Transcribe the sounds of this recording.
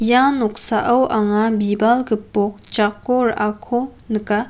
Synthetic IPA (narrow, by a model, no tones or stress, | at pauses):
janok̚saʔəwʔaŋabibalkəpok̚t͡ʃakoɾakʰonɯka